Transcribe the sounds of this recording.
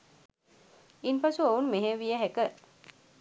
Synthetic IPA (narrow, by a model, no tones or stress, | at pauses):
inpasuounmeɦeʋijəɦɛkə